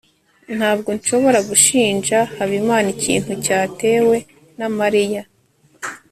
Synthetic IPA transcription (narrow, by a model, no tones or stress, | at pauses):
n̥haːb̚ɡo̞nʃo̞βo̞ɾaɡuʃiːnʒahaβimaːnicḭːn̥hucaːte̞ːwe̞ | namaɾija